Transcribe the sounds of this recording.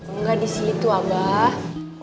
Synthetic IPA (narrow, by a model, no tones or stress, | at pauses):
uŋɡadisit̪uaba